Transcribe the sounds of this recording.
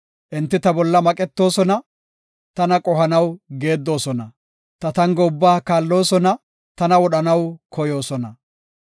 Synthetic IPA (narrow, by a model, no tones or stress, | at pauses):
ʔɪnt̪ːɪt̪ɐbɔlːɐmɐkʼɛt̪ːo̞ːsɔnɐ | t̪ɐnɐkʼɔhɐnɐwɡe̞ːd̪ːo̞ːsɔnɐ | t̪ɐt̪ɐŋɡɔʊbːaːkaːlːo̞ːsɔnɐ | t̪ɐnɐwɔɗɐnɐwkʰɔjo̞ːsɔnɐ